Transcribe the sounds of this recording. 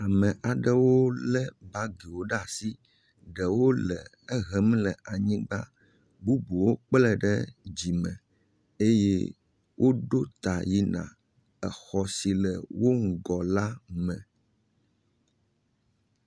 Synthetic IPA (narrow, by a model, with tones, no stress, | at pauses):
a˨mə̃˨ʔa˨ɖə˦wo˦lɛ˦ba˦ɡi˨wo˦ɖa˨si˦ | ɖə˨wo˦lɛ˨ | ɛ˦ɦɛ˨m˦lə˨ʔa˨ɲĩ˦ɡ͡ba̰˦ | bu˦bu˨wo˦k͡plə˦ɖə˦d͡ʑi˨mə̃˨ | e˦jɛ̰˦ | wʔo˦ɖo˦t̪a˨ji˦nã̰˨ | ɛ˨xɔ˨si˨lə˨wo˦ŋ̩˨ɡɔ˨la˦mɛ̃˨